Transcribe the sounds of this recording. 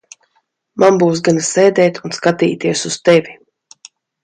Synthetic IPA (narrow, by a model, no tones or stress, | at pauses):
manbuːs̬ɡansɛjd̪ɛːt̪unskat̪iːt̪iɛsuzt̪ɛvʲi